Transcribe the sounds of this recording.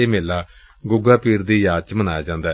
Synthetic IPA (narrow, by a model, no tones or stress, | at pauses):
eːmeːlaː | ɡʊɡaːpiːɾd̪iːjaːt͡ʃmənaːjaːd͡ʒãːnd̪ɛː